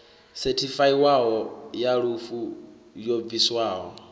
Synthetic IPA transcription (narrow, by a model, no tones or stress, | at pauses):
sɛtʰifaiwaɦɔjaɺufu | jɔb̪viswaːɦɔ